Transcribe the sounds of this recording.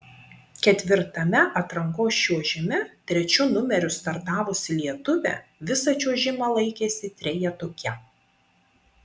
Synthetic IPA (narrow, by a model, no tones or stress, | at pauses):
kʲɛt̪ʲʋʲɪɾt̪ɐmʲɛʔɐt̪ɾɐŋkoːst͡ʃʲuɔʒʲɪmʲɛt̪ʲɾʲɛt͡ʃʲʊnʊmʲɛɾʲʊst̪ɐɾt̪ɑːʋʊsʲɪlʲiɛt̪ʊʋʲɛ̰ʋʲɪsɐt͡ʃʲuɔʒʲɪmɐlˠɐɪkʲeːsʲɪt̪ʲɾʲɛjɛt̪oːkʲɛ